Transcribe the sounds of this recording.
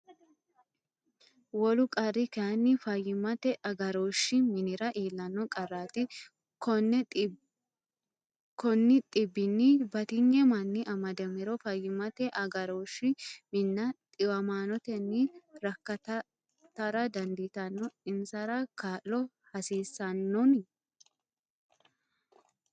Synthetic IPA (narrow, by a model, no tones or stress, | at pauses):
wɔlʊkʼɐrɪkɐɐnːɪfɐjːɪmɐt̪ɛʔɐɡɐɾoːʃːɪmɪnɪɾɐʔeːlːɐnːɔkʼɐrːaːt̪ɪ | kɔnːɛ | kɔnːɪt̪ʼɪbːɪnːɪbɐt̪ɪŋːɛmɐnːɪʔɐmɐd̪ɛmɪɾɔfɐjːɪmɐt̪ɛʔɐɡɐɾoːʃːɪmɪnːɐt̪ʼɪwɐmaːnɔt̪ɛnːɪɾɐkːɐt̪ɐ | t̪ːɐɾɐd̪ɐnd̪it̪ɐnːɔɪnsɐɾɐkaːllɔ | hɐsiːsːɐnːɔn